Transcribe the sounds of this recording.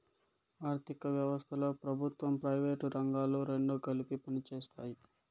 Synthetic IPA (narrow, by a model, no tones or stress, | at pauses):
aːɾt̪ʰikɐʋjɐʋɐst̪ʰɐlo̞ːpɾɐbʱut̪ʋɐmpɾɐjʋeːʈɾɐŋɡaːloːɾeɳɖoːkɐlipipɐnit͡ʃeːst̪aːji